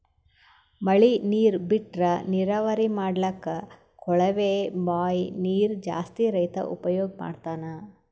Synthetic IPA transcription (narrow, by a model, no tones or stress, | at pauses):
mɐɭiniːɾbiʈɾɐniɾaːʋɐɾimaːɽlɐkːɐ | kʰɔɭɐʋeːbaːjniːɾd͡ʒa̰ːst̪iɾɐjt̪ɐ̰ʔṵpɐjoːɡ̚ma̰ːɖt̪aːnɐ